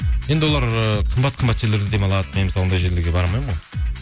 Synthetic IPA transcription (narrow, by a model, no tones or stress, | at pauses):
je̞nd̪ɪwo̞lˠɑɾəqʰəmbɑt̪ːqʰəmbɑt̪ʒe̞ɾle̞ɾd̪ed̪e̞mɑlˠɑd̪əmenmɪsˠond̪ɑjʒe̞ɾleɾɡʲe̞bɑɾɑmɑjmʁoj